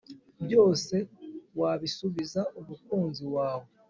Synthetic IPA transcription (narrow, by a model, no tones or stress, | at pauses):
bjo̞ːse̞waβisuβizaʔumukuːnziwaːwo̞